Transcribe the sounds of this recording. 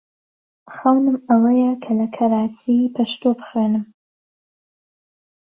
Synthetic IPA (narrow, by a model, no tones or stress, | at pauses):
xɐwnɨmɐwɐjɛkʰɐlɐkʰɐɾaːt͡sʰipʰɐʃt̪obɨ̥xwenɨm